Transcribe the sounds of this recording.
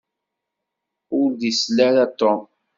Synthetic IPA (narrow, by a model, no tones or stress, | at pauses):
ʊɾd̪islæɾat̪ːɔ